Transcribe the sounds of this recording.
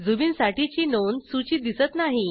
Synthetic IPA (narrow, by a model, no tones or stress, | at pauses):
d͡zubinsaʈit͡ɕiːnonsut͡ɕiːd̪isət̪naɦi